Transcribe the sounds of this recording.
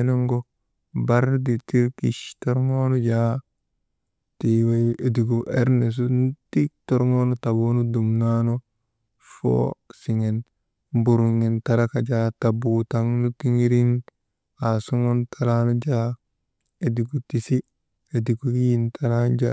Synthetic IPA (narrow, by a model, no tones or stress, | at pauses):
enoŋɡo | baɾditiɾkḭʃtoɾŋonod͡ʒa | tiwajediɡuʔeɾnes̬untik̚toɾŋonotabonudumnano | fo̰siŋen | buɾuŋentaɾakad͡ʒatabutaŋnutiŋiɾin | asuŋontʰaɾanod͡ʒa | ediɡutisi | ediɡujintʰaɾand͡ʒa